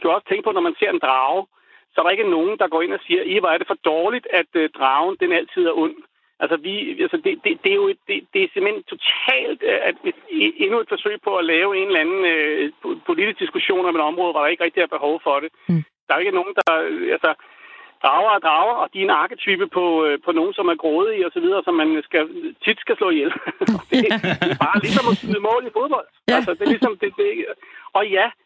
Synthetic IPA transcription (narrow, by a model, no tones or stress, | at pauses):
kʰæɒ̽sə̥t͡sʰeŋɡ̥̚pʰɒ̽nɒmænse̝ɐ̰e̝nd̥ʁɑ̈ʊ | sɒæɐɾ̥ɑ̈e̝ɡ̥əno̝ːn̩d̥ɑ̈ɡ̥ɒ̰ːe̝nɒsiːɐʔiʋɑæɐɾ̥e̝fɒ̽d̥ɒːlid̥æd̥d̥ʁɑ̈ʊnd̥enæl̰t͡sʰið̰ˠæɐʔɔ̽n̰ | ʔælsəʋiælsəd̥e̝d̥e̝d̥e̝æjo̝e̝d̥̚d̥e̝d̥e̝semhen̰t͡sʰo̝t͡sʰɛ̰ːld̥ | e̝nue̝d̥fɒ̽sø̰ːɪ̰pʰɒ̽ælɛːʊe̝nlænn̩øpʰo̝lid̥isd̥isɡ̥uɕo̝̰ːnɐmeɾɒ̽mʁɔːðˠʋɑɾ̥ɑe̝ɡ̥əʁɛɡ̥̚d̥id̥æɐb̥e̝ɦɒʊfɒ̽ɾ̥e̝d̥ɑ̈æɐe̝ɡ̥əno̝ːn̩d̥ɑ̈ælsɒ | d̥ʁɑ̈ʊɐæd̥ʁɑ̈ʊɐɒ̽d̥ienɑ̈ːɡ̥ət͡sʰyb̥əpʰɒ̽øpʰɒ̽no̝ːn̩sɒ̽mæɐɡ̥ʁɔːð̞ˠiɒsɒʋið̞ˠɐːsɒ̽mːænsɡ̥æt͡sʰid̥sɡ̥æslɔ̰ːjelɒ̽d̥e̝d̥e̝b̥ɑ̈ːlisɒ̽mɒsɡ̥yð̩ˠmɔ̰̽ːlifo̝ðˠb̥ɒ̽l̰d̥ælsɒd̥e̝lisɒ̽md̥e̝d̥e̝ɒ̽jæ